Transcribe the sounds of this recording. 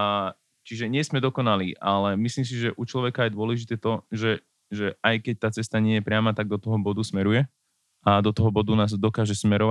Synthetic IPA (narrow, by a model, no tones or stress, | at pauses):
t͡ʃiʒɛɲɪɛsmɛd̪ɔkɔnaliːʔalɛmisliːms̬iʒɛʔut͡ʃlɔʋɛkaːjd̪ʊɔlɛʒit̪ɛːt̪ɔʒɛ | ʒɛʔajkɛc̚t̪aːt͡sɛst̪aɲɪɛjɛpɾɪamat̪aɡ̚d̪ɔt̪ɔɦɔbɔd̪usmɛɾujɛ | ad̪ɔt̪ɔɦɔbɔd̪unaːzd̪ɔkaːʒɛsmɛɾɔʋa